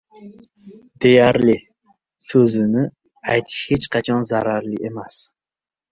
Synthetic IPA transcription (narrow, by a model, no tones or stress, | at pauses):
d̪e̞jaɾlɪ | sɵzɪnɪ | ajt̪ʰɪ̥ʃhet͡ʃqʰɑt͡ʃʰɒnzaɾaɾlɪʔemas